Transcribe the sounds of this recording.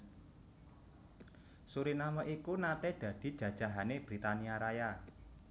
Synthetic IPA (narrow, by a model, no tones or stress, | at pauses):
suɾinaməʔikunat̪ed̪̥ä̤d̪̥i̤d̥ʒ̥ä̤d̥ʒ̥a̤ɦaneb̥ɾit̪aniaɾaja